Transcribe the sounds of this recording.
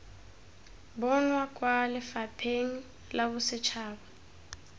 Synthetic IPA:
bɔnwakʼwalɪfapʰeŋ̩ | laβʊsɪt͡ʃʰaːba

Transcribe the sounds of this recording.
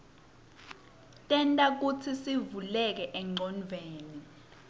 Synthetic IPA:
tʼɛntʼak̬ut͡sʰisivulɛk̬ɛʔɛŋ͡ǀʱɔnvʱeːni

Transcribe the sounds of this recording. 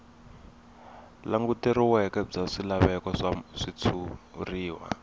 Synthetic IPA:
laŋɡutiɾiwɛkɛb͡ʐaʂilaβɛkɔʂaʂit͡sʰuriːwa̰

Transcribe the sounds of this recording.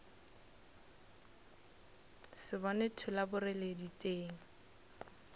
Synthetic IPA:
sɪbɔnetʰʊlabʊrɪleditʼeːŋ̩

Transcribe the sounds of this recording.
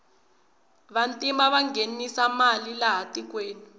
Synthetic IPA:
βantʼimaβaŋɡenisamalilaɦatik̬weːni

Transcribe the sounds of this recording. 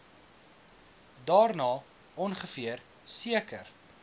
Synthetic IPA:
dɑːrnɑː | ʔɔnχəfiər | siəkə̰r

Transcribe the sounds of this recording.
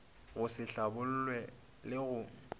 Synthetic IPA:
ɣʊsɪɬabʊl̩lwɛ | lɪɣʊ

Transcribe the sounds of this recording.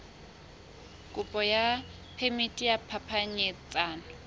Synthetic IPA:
kʼʊpʼɔja | pʰemitʼijapʰapʰaɲɛt͡sʼaːnɔ

